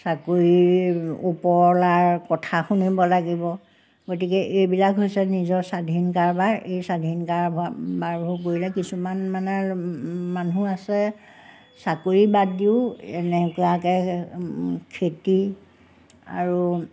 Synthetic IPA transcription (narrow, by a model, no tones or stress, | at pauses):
sakoɹiupɔɹlaɹkɔtʰaxunibɔlaɡibɔ | ɡotikɛʔejbilakɦojsɛnizɔɹsadʱinkaɹbaɹejsadʱinkaɹbbaɹbʱuk̬oɹilɛkisumanmana | manuasɛ | sakoɹibadiʊɛnɛkɔjakɛ | kʰeti | a̰ɹu